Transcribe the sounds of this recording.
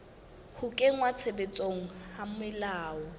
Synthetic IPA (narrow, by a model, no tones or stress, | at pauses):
hʊkʼeŋ̩wat͡sʰebet͡sʼoŋ̩hamʊɪlaːɔ